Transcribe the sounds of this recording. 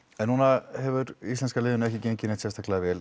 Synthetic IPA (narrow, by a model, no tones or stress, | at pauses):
ɛnːunahɛvʏɾist̪ɛnskalɪːðʏnɛhçcɪceɲcɪnɪht̪sɛst̪aklaðvɛːl